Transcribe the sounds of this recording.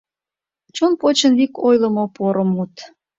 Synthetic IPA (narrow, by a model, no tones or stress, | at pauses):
t͡ɕonpot͡ɕənvikojləmopoɾəmut̪